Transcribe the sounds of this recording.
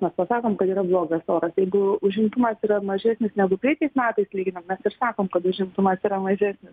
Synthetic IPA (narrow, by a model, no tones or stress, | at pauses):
mʲɛspɐsɑːkoːmkɐt̪iːɾɐblˠoːɡɐstoːɾɐsjɛɪɡʊʊʒʲɪmt̪ʊmɐsiːɾɐmɐʒʲæːsʲnʲɪsnʲæːɡʊpʲɾʲiɛtʲɛɪsmʲæːt̪ɐɪslʲiːɡʲɪnɐmmʲɛsɪɾsɑːkoːmkɐt̪ʊʒʲɪmt̪ʊmɐsiːɾɐmɐʒʲæːsʲnʲɪs